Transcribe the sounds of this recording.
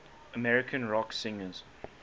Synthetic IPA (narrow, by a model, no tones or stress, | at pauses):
əmɛɹɪkʰə̃nɹɔksɪ̃ŋəz̥